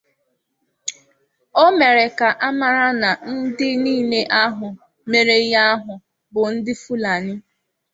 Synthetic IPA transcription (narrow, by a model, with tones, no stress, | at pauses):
o˦me˨ɾe˨ka˨ʔa˦ma˨ɾa˦na˨n̩˦dɪ˦niː˦˨le˦ʔa˦ɦʊ˨ | me˨ɾe˨˦ja˦ɦʊ˨ | bʊ˨n̩˦dɪ˦fu˦la˨nɪ˦